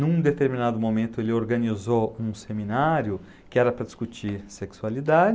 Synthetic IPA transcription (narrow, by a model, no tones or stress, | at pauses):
nũd̪et̪eɾminad̪ʊmomẽnt̪ʊelɪoɾɡɐnizoũseminaɾjʊ | kɪɛɾɐpɾɐd͡ʒiskut͡ʃiɾseksualid̪ad͡ʒɪ